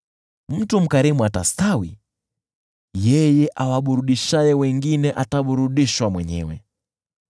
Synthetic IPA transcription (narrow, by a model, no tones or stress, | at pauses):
m̩tum̩kaɾimuata̰stawi | jɛjɛʔawaɓuɾuɗiʃajɛwɛŋɡinɛʔataɓuɾuɗiʃwamwɛɲɛ̰wɛ̰